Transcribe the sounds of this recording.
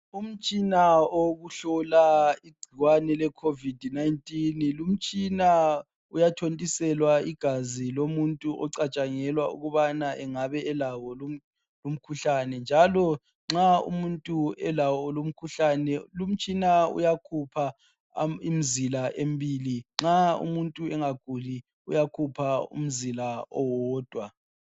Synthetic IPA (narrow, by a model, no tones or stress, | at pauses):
um̩t͡ʃʼinaoɣuɬɔlaiɡ͡ǀʱiɣwanɛlɛkʰovidʱnaintʼinlum̩t͡ʃʼina | ujatʰontʼisɛlwaiɡ̥ʱazilomuntʼuʔɔ̰ǀat͡ʃʼaŋɛlwaṵɣuβanaʔɛŋaβɛɛlawɔl | lom̩kʰuɬanɛnd͡ʒʱalɔ | ŋ͡ǁaṵmuntʼuɛlawɔlom̩kʰuɬanɛlum̩t͡ʃʼinaṵjakʰupʰa | im̩zilaʔembiːliŋ͡ǁaṵmuntʼuɛŋaɡ̥ʱuli | ṵjakʰupʰaṵm̩zilaɔwɔːd̥ʱwa